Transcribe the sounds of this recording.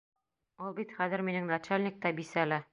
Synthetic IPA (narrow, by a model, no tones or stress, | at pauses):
ulˠbit̪χæðɘ̆ɾminɘŋnat͡ɕalʲnʲik̚t̪ɑbisælɘ